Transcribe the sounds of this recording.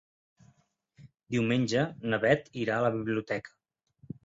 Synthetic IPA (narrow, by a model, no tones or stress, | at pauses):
d̪iwmenʲʒənəβɛt̪iɾaələβiβliut̪ɛkʰə̥